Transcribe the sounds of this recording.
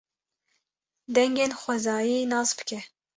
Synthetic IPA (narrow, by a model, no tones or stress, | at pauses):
d̪ɛŋɡeːnxʷɛzɑːjinɑːsbɨ̥kʰʲɛ